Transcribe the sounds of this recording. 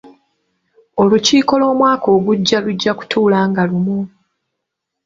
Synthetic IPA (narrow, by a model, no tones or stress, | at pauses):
o̞luciːko̞lo̞ːmwaːko̞ːɡuɟːaluɟːaku̥tʰuːlaːŋɡalumu